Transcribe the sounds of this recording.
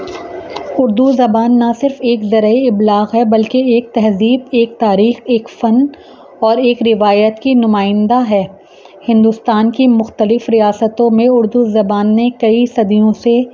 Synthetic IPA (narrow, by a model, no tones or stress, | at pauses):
ʊɾd̪uzɐbaːnːɐsɪɾfeːkzɐɾəeɪblaːɣɦɛbɐlkeeːk̚t̪ɛɦziːb̪eːk̚t̪aːɾiːxeːkfɐn | ɔːɾeːkɾɪʋaːjət̪kinʊmaːɪ̃nd̪aɦɛː | hɪ̃nd̪ʊst̪aːnkimʊxt̪əlɪfɾijaːsət̪õmẽʊɾd̪uzɐbaːnːekɐisɐd̪ijõse